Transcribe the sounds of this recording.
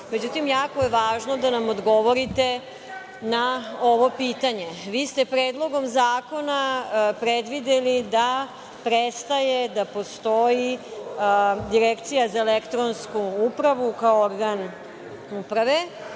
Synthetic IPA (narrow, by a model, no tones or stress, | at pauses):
me̞d͡ʑut̪imjaːko̞jeʋaːʒno̞d̪anamod̪ɡo̞ʋo̞ɾit̪e̞ | nao̞ʋo̞piːt̪aɲe̞ʋiːst̪e̞pɾeːd̪lˠo̞ɡo̞mzaːko̞napɾed̪ʋid̪elid̪a | pɾest̪aje̞d̪apo̞st̪oji | d̪iɾekt̪sijazaelekt̪ɾo̞nskuupɾaʋukaooɾɡan | upɾaʋe̞